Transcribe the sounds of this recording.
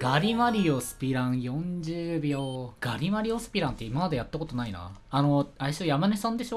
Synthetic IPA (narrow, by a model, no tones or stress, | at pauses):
ɡ̥aɾʲimaɾʲiosɨ̥pʲiɾãɰ̃jõ̞ɲd͡ʑɨːbʲoɡ̥aɾʲimaɾʲio̞sɨ̥pʲiɾãnt̪ːe̞imamad̪ajat̪ːako̞t̪o̞naina̰ːno̞aiɕojamane̞sãnd̪e̞ɕo